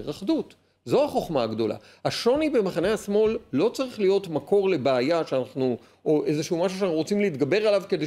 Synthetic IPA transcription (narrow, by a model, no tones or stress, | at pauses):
ʁaχdut | zo̞aχo̞χmaaɡd̪o̞la̰ | aʃo̞nibe̞maχaneasmo̞lːo̞t͡saʁiχlijo̞tmakʰo̞ʁle̞baajaʃeanaχnu | ʔoʔezeʃeumaʃuʃanaχnuʁot͡simleit̪ɡabe̞ʁalavke̞d̪e